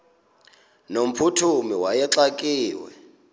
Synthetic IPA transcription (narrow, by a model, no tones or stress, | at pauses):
nom̩pʰutʰumiwajɛǁakʼiːwɛ̰